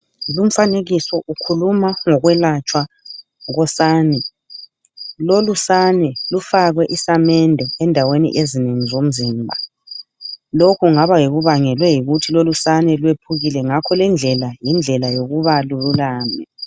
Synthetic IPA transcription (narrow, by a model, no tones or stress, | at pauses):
lum̩faneɣisɔʔukʰulumaŋɔɣwɛlat͡ʃʼwa | ɣɔsaːnɛ | lolusanɛlufaɣwɛʔisamɛndʱɛɛndʱawenḭʔezineŋizom̩ziːmbʱa | lokʰuŋaβajiɣuβaŋɛlwɛjiɣutʰilolusanɛlwepʰuɣilɛŋakʰɔlɛnd͡ɮʱɛlajind͡ɮʱɛlajoɣuβalululaːmɛ